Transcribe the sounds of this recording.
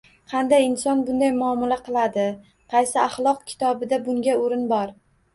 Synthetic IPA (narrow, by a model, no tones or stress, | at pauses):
qʰɑnd̪ajɪnsɒnbʊnd̪ajmʊɒmalaqʰɨlˠad̪ɪ | qʰɑjsɪaχlˠɒq̚kʲʰɪ̥t̪ʰɒbɪd̪abʊŋɡʲaoɾɪnbɒɾ